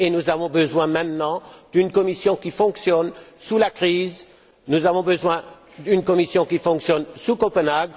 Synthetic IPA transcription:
enuzavɔ̃bəzwɛ̃mɛ̃t̪nɑ̃d̪̥ynkɔmisjɔ̃kʲifɔ̃ksjɔnsulakχiz | nuzavɔ̃bəzwɛ̃ | d̪ynkɔmisjɔ̃kʲifɔ̃ksjɔnsukɔpənaɡ

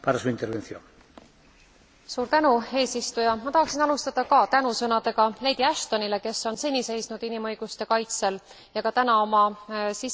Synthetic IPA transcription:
paɾasuint̪eɾβenθjoŋ | suːɾt̪ænue̞ːsist̪ujɑmɑt̪ɑɦhɑksinɑlust̪ɑd̪̥ɑkɑt̪ænusɤnɑd̪̥e̞ɡ̥ɑle̞d̪̥iæʃt̪o̞nile̞ke̞so̞nse̞nʲise̞jsnud̪̥inimɤ̞jɡ̥ust̪e̞kɑjt̪se̞l | jɑkɑt̪ænɑo̞mɑsi

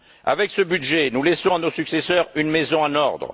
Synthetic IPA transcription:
a̰vɛksəbyd̪ʒenulɛsɔ̃anosyksesœʁynmezɔ̃anɔʁd̪ʁ

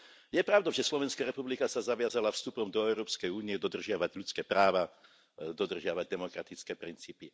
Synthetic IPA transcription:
jɛpɾaʊd̪ɔʊʒɛslɔʋɛnskaːɾɛpublikasazaʋɪazalafst̪upɔmd̪ɔɛʊɾɔːpskɛjuːniɛd̪ɔd̪r̩ʒɪaʋaɟlʎut͡skɛːpɾaːʋa | d̪ɔd̪r̩ʒɪaʋaɟ̚d̪ɛmɔkɾat̪it͡skɛːpɾint͡siːpi

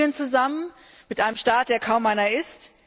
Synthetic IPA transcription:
ənt͡suzamən | mɪtʔaɪnəmʃtaːt̚d̥eːɐkʰaʊmʔaɪnɐɪst

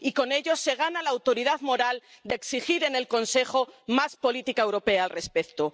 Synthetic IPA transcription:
iko̞ne̞ʎo̞se̞ɣ̞analaːwt̪o̞ɾiðaðmo̞ɾald̪eksixiɾe̞ne̞lko̞nse̞χomaspo̞lit̪ikaewɾo̞pe̞aːlre̞spe̞kt̪o

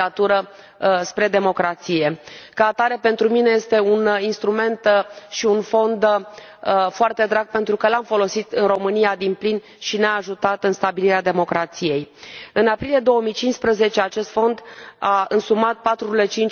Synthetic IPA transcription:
at̪uɾə | spɾe̞d̪e̞mo̞kɾat̪sije̞kaːt̪aɾe̞pe̞nt̪ɾumine̞je̞st̪e̞uninst̪ɾume̞nt̪ʃiunfo̞nd̪ | foart̪e̞d̪ɾaɡ̚pe̞nt̪ɾukəlamfo̞lo̞sit̪ɨnro̞mɨnijad̪implin | ʃineaːʒut̪at̪ɨnst̪abiliɾead̪e̞mo̞kɾat̪sije̞jɨnapɾilijed̪o̞wəmijt͡ʃinspɾəze̞t͡ʃe̞at͡ʃe̞st̪fo̞nd̪aɨnsumat̪̚pat̪ɾuile̞t͡ʃint͡ʃ

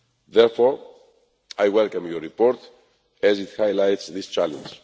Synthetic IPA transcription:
ðɛɹfɔɹ | ajwɛlkãmjɔɹipɔɹt̪ | ɛzit̪hajlajtsðist͡ʃalə̰̃nd͡ʒ

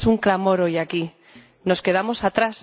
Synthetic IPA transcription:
suŋklamo̞ɾojaki | no̞ske̞ð̞amo̞sat̪ɾas

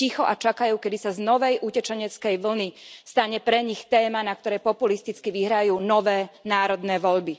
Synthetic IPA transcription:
ixɔʔat͡ʃakajuːkɛd̪isaznɔʋɛjʔucɛt͡ʃɛɲɛt͡skɛjʋl̩nist̪aɲɛpɾɛɲixt̪ɛːmanakt̪ɔɾɛjpɔpulist̪it͡skiʋiɦɾajuːnɔʋɛːnaːɾɔd̪nɛːʋɔʎbi

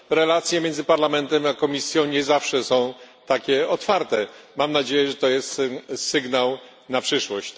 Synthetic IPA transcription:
ɾɛlat̪sʲjɛmʲjɛnzɘpaɾlamɛnt̪ɛmakɔmʲisʲjɔ̃w̃ɲɛzafʂɛsɔ̃w̃ | t̪akʲɛɔt̪faɾt̪ɛmamnad͡ʑejɛʐɛt̪ɔjɛst̪sɘɡnaw | napʂɘʂwɔɕt͡ɕ

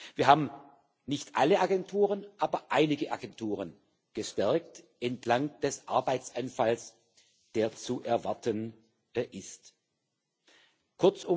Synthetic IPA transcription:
v̥iːɐɦaːbm̩ | nɪçtʔa̰ləʔaɡɛntʰuːʁənʔaːbɐʔaɪnɪɡəʔa̰ɡɛntʰuːʁ̞ən | ɡ̥əʃtɛɐk̚t | ʔɛntʰlaŋd̥ɛsʔa̰ɐbaɪt͡sanfals | d̥eːɐt͡suʔɛɐvaɐtʰən | ʔɪst | kʰʊɐt͡sʊ

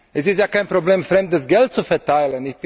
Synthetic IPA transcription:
ʔɛsɪstjaːkaɪnpʁ̥obleːmfʁɛmdəsɡɛlt̚t͡sufɛɐtaɪlənɪçb̥

